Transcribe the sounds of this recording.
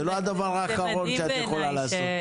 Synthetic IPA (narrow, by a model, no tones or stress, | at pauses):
eload̪avaʁaːkaʁolʃeat̪exolalazot̪